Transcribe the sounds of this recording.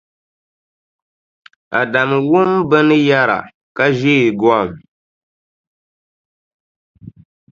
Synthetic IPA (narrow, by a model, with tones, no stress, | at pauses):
a˨da˨m˨wʊ˦mbɨ˦nɨ˦ja˦ɾa̰˨ | ka˦ʒe˦i˨ɡɔ˦a˦˨m